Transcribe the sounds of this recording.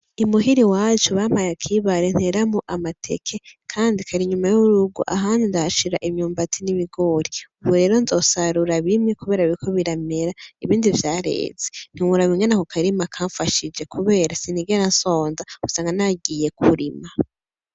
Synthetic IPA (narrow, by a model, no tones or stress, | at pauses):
imuɦiɾiwaːt͡ʃuβam̥hajakʰiβaɾen̥he̞ɾamuʔamatʰe̞̰kʰe̞kʰaːndikʰaɾiɲumajuβuɾuɡṵʔa̰ɦaːndindahaʃiɾaʔimɲuːmbatʰiniβiɡo̞ɾiuβuɾe̞ːɾo̞nzo̞ːsaɾuɾaβimɲekuβe̞ːɾaβiɾikʰo̞βiɾame̞ɾaiβiːndivjaːɾe̞̰ːz̥en̥iwuɾaβiŋenakukʰaɾimakʰaɱfaʃid͡ʒe̞kʰuβe̞ːɾasiniɡeɾanso̞ːnzausaːŋɡanaɡije̞kʰuɾima